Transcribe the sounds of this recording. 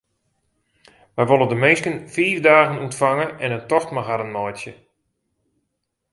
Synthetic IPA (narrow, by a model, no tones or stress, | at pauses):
ʋɛjʋolˠəndəmɪnskənfiːvdaːɣənuntfaŋəɛnəntɔxtmaɣaɾənmɔjtjə